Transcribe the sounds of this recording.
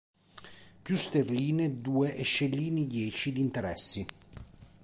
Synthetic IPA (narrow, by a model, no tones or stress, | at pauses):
pjust̪erliːned̪uːeʔeʃːelːiːnid̪jɛːt͡ʃid̪int̪eɾɛsːi